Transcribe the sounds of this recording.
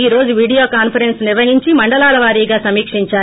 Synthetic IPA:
iːɾo̞ːd͡ʒuʋiːɖijoːkaːnpʰɐɾensniɾʋɐɦiɲt͡ʃimɐɳɖɐlaːɭɐʋaːɾiːɡaːsɐmiːkʂiɲt͡ʃaː

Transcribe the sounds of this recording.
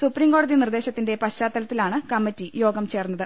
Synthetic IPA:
supriːmko̞ːɽɐðinird̪e̞ːɕɐt̪ːinde̞pɐɕt͡ɕaːt̪ːɐlɐt̪ːilaːɳɨkɐmːitːijo̞ːɡɐmt͡ɕe̞ːrnːɐðɨ

